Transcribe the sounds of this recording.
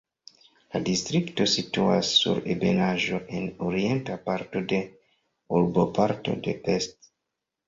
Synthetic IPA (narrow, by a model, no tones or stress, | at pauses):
ladistɾikto̞situa̰sːṵɾebe̞̰naʒo̞ʔe̞noɾie̞ntapaɾto̞de̞ | uɾbo̞paɾto̞̰de̞ʔest